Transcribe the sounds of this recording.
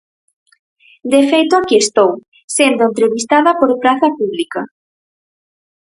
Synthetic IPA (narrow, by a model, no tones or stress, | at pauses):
d̪efejt̪ʊakiest̪ow | send̪oʊent̪ɾeβist̪aðɐpoɾpɾaθɐpuβlika